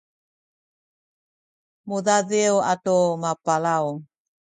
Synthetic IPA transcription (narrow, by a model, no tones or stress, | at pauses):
muðaðewatomapalaw